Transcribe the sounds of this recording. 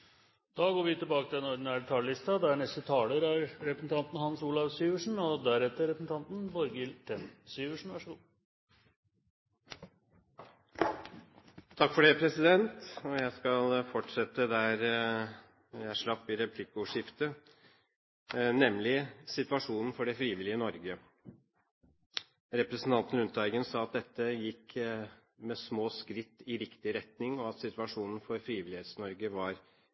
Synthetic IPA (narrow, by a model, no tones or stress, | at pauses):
d̪̥ɑːɡoːɾʋɪt̪ɪlbɑːkət̪ɪlɛnɔɾd̪ɪnæːɭt̪ʰɑləlɪst̪ɑd̪ɛæɳɛst̪ət̪ʰɑːləɾæɾɾɛpɾəsn̩t̪ɑnt̪n̩hɑnsuːlɑʋsyːʋəʂɳ̩ɔd̪æɾɛt̪ːəɾɛpɾsn̩t̪ʰɑnt̪n̩bɔɾɡɪlt̪ʰɛnsyːʋəʂɳ̩ʋɑʂəɡuː | t̪ʰɑkːfɔɖepʰɾɛsɪd̪ɛnt̪ɔjæɪskɑlfɔʈʂɛt̪ːəd̪æːɾ | jæʂɭɑpːɪɾɛpʰlɪkːəʊʂɪft̪ə | nɛmlɪsɪt̪ʋɑʂuːnn̩fɔɖɛfɾiːʋɪlɪənɔɾɡə | ɾɛpɾɛsn̩t̪ɑnt̪n̩ʉnt̪ɑɪɡənsɑːɑt̪̚d̪ɛt̪ːəjɪkː | mɛsmoːskɾɪt̪ːɪɾɪkt̪ɪɾɛt̪nɪŋɔɑt̪sɪt̪ʋɑʂuːnn̩fɔɾfɾiːʋɪlɪeːt̪snɔɾɡəʋɑɾ